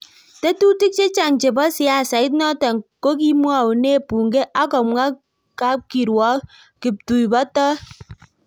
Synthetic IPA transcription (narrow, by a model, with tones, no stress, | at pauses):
te˦tu˦ti˦k̚t͡ʃe˦t͡ʃa˨ŋt͡ʃe˨bɔ˦si˦a˨sa˨ɪ˦tnɔ˦tɛ˨ŋ˨ko˦k̬i˦mwɔ˦a˨wu˨ne˦˨pu˨ŋɡe˦ʔa˦kɔ˨mŋa˦ | ka˦p̚ki˨ɾwɔ˨˦ | ki˨p̚tu˨i˨bɔ˦tɔ˦